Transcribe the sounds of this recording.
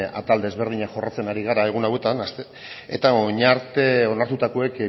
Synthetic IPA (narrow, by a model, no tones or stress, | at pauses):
a̰t̪ald̪e̞zβe̞ɾð̞iɲaχo̞rat͡se̞naɾiɣ̞aɾae̞ɣ̞unawe̞t̪anas | e̞̰t̪aoɲaɾt̪e̞o̞naɾt̪ut̪ako̞e̞k